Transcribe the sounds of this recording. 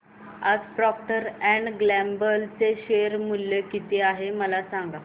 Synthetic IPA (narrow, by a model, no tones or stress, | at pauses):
ad͡zpɾɔp̚ʈəɾɛ̃ɳɖɡlɛmbəlt͡seɕeɾmuljekit̪eaɦeməlasãŋɡa